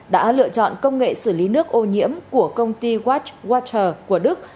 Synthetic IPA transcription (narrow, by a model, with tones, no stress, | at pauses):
ɗa̰ː˧˥lɨ̰˧˨ət͡ɕɔ̰˧˨nkə˧wŋ͡mŋḛ˧˨sɨ˧˩li˨˦nɨ˦˥ək̚ʔo˧˩ɲḭ˧˥əmku˧˩əkə˧wŋ͡mt̪i˧ɣwaː˦˥t͡ɕɣwaː˦t͡ɕəː˨˩ku˧˩əɗɨ˦˥k̚